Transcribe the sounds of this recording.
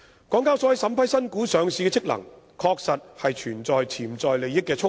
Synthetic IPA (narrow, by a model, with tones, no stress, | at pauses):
kɔː˨˥ŋkaː˥wsɔ˨˥jɐ˨˩sɐ˨˥mpʰɐ˥jsɐ˥nkuː˨˥sœː˨ŋsiː˨˧kɛ˧t͡sʰɪ˥k̚lɐ̰˨˩ŋ | kʰɔː˧k̚sɐ˨t̚hɐ˨jt͡ʃʰyː˨˩nt͡sɔː˨jt͡sʰiː˨˩mt͡sɔː˨jle˨jɪ˥kːɛː˧t͡ʃʰʊ˥